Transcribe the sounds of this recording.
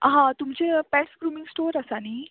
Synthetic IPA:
ɦãt̪umt͡sepɛʈsɡɾumiŋɡsʈoːɾəsaniː

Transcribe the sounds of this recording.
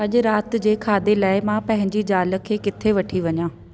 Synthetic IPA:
ɐʄʊɾaːt̪d͡ʑeːkʰaːd̪elaːɪmãpɐ̃ɦɪ̃ɲd͡ʑid͡ʑaːlə̆kʰeːkɪt̪ʰeʋɐʈʰiʋɐɲãː

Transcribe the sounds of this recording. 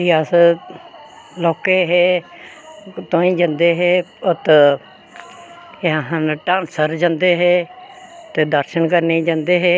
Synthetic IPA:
ias | loːkeːɦeː | t̪õːĩːd͡ʒãnd̪eːɦeːət̪ | aɦə̃nʈãːnsəɾd͡ʒãːnd̪eːɦeːt̪ed̪əɾʃənkəɾneːd͡ʒãːnd̪eːɦeː

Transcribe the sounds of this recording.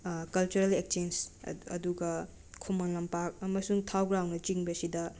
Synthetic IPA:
kɐlt͡ʃuɾelek̚t͡ʃensɐ̰duɡɐ | kʰumanlɐmpak̚ɐmɐsuŋtʰawɡɾawnɐt͡ʃiŋbɐsidɐ

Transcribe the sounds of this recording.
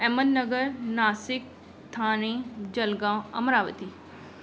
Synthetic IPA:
ɛmənnɐɡəɾnaːsɪk̚ | t̪ʰaːñẽd͡ʑɐlɡãɐ̰mɾaːʋət̪iː

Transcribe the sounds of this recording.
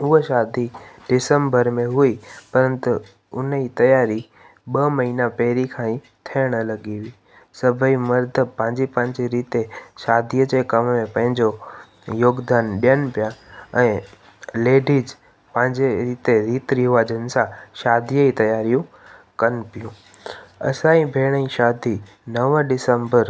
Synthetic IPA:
ʊɦəʃaːd̪iɖɪsəmbəɾmẽɦʊipɐɾənt̪ʊ | ʊnit̪ɐjaːɾi | ɓɐmɐɦiːnapɛɦɾikʰãːĩ | t̪ʰɐəɽ̃əlɐɠiɦiː | sɐbʱimɐɾd̪ʱəpɐ̃ɦɪ̃ɲd͡ʑipɐ̃ɦɪ̃ɲd͡ʑeɾiːt̪eʃaːd̪ʱijəd͡ʑekɐmmẽpɐ̃ɦɪ̃ɲd͡ʑo | joːɡd̪aːnɗijənpijaɛ̃ː | leːɖid͡ʑ | pɐ̃ɦɪ̃ɲd͡ʑeɾiːt̪eɾiːt̪ɾiɦʊʋaːd͡ʑənsãʃaːd̪ʱijəit̪ɐjaːɾijũ | kɐnpijũ | ɐ̰sãːĩbʱeːɽ̃ĩʃaːd̪ʱi | nɐʋəɖɪsə̃mbəɾ

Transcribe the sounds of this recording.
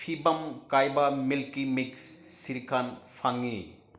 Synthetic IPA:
pʰibɐmkajbɐmilkimikssiɾikʰanpʰaŋi

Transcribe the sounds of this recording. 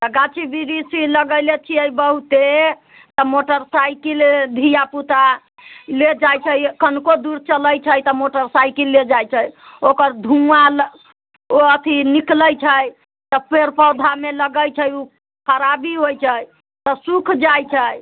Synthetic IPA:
t̪əɡat͡ʃʰibiɾisiləɡəjlet͡ʃʰiəjbəɦut̪e | t̪ɔmoʈəɾsajkild̪ʱijaput̪a | led͡ʒajt͡ʃʰəjkənkod̪uɾt͡ʃələjt͡ʃʰəjt̪ɔmoʈəɾsajkilːed͡ʒajt͡ʃʰəjokəɾd̪ʱumal | oət̪ʰinikləjt͡ʃʰəj | t̪ɔpʰeɾpəwd̪ʱameləɡəjt͡ʃʰəju | kəɾabiɦojt͡ʃʰəj | t̪ɔsukʰd͡ʒajt͡ʃʰəj

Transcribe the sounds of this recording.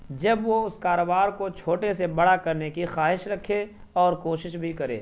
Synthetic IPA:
d͡ʒɐbʋoʊskaːɾoːbaːɾkot͡ʃʰoːʈesebɐɽakɐɾnekixaːɦɪʃɾɐkʰːe | ɔːɾkoːʃɪʃbʱikɐɾḛː

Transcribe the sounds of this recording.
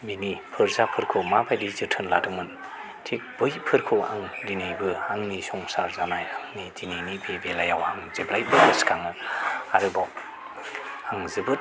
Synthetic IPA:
binipʰɯɾzapʰɯɾkʰomabajdizɯtʰɯnladɯŋmɯn | tʰik̚b̥ɯjpʰɯɾkʰoa̰ŋdinajbɯaŋnisɔŋsaɾzanajaŋnidininibebelajawaŋzeblajbɯɡɯskʰaŋɯaɾɯbɔ | aŋzɯbɯt̚

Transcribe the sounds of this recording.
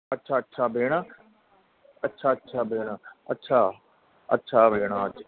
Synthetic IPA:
ətːʃʰaːətːʃʰaːbeːɽ̃ãː | ətːʃʰaːətːʃʰaːbeːɽ̃aːətːʃʰaː | ə̰tːʃʰaːbeːɽ̃aːət

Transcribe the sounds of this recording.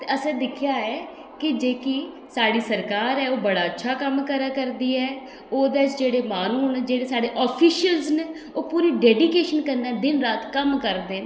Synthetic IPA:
t̪eəsɛ̃ːd̪ɪkʰjaːɛː | kɪd͡ʒeːkiː | saːɽiːsəɾkaːɾɛːoːbəɽaːətːʃʰaːkəmkəɾaːkəɾd̪iːɛː | oːd̪et͡ʃd͡ʒeːɽeːmaːnuːned͡ʒeːɽeːsaːɽeːʔɔːpʰiːʃəlzne | oːpuːɾiːɖɛːɖiːkeːʃənkəɾɛ̃ːd̪ɪnɾaːt̪kəmkəɾd̪eːnː

